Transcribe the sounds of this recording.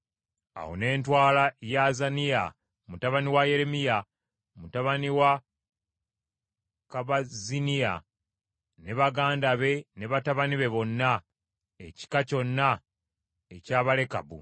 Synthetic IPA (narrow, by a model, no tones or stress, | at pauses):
a̰wo̰ne̞ːntwaːlajazanija̰ | mutaβaniwaje̞ɾe̞mija | mutaβaniwa | kaβazinija̰ | ne̞βaɡaːndaβe̞ne̞βataβaniβe̞βo̞nːa | eci̥kaco̞nːa | ecaːβale̞ka̰bṵ